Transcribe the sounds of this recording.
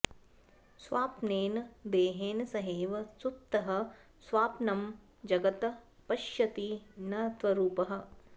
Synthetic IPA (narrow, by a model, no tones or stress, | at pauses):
sʋaːpneːnd̪eːɦeːnsɐɦeːʋɐsutt̪ːɐɦɐ̆ | sʋaːpnɐm | d͡ʒɐɡɐt̪ | pɐʃjɐt̪inɐt̪ʋɐɾuːpɐɦɐ̆